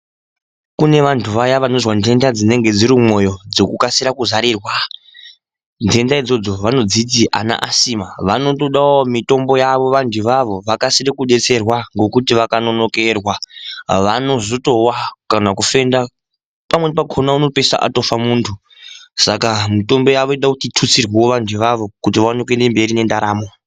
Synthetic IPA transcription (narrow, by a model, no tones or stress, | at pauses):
kune̞ʋantʰuʋajaʋano̞zwandʱe̞ndad͡zine̞ŋɡe̞d͡ziɾimo̞jo̞d͡zo̞kukasiɾakuzaɾiːrwa | ndʱe̞ndaid͡zo̞d͡zo̞ʋano̞d͡zitiʔa̰na̰ʔasiːmaʋano̞to̞ɗamito̞mbo̞jaʋo̞ʋandiʋaʋo̞ʋakasirikuɗe̞t͡se̞rwaŋɡo̞kutiʋakano̞no̞ke̞rwaʋano̞zoto̞wakanakufe̞nda | pamwe̞pakʰonauno̞pesa̰ʔa̰to̞famuːntʰu | sakamito̞mbo̞jaʋo̞eɗakutitʰut͡sirwiwo̞ʋandʰiʋaʋo̞kutiʋawanekwende̞mbe̞ɾine̞ndaɾaːmo̞